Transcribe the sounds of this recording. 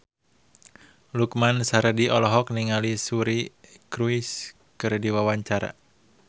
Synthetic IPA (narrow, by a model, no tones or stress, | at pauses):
lukmansaɾdiʔɔlɔɦɔk̚niŋalisuɾikɾuis | kɨrdiwawaɲt͡ʃaɾa̰